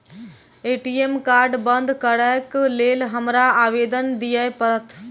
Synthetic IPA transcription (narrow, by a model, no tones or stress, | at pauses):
eːʈiemkaːɾɖbənd̪ʱkəɾəklelɦəmɾaaːʋed̪ənd̪ijəjpəɾət̪ʰ